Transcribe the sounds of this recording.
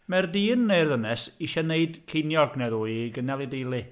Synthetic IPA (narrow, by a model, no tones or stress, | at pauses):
mɛrdiːnːejrðənɛsiʃɛneɨd̥kʰejnjɔɡnɛðuːɡənɛlˠɨdejlˠɪ